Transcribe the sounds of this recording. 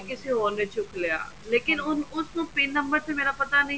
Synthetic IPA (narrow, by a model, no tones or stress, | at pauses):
kɪseɦoːnẽt͡ʃʊkleja̰ː | leːkɪnʊnʊsnũpeːnnːə̃mbəɾt̪emeːɾapɐt̪anɐɦĩ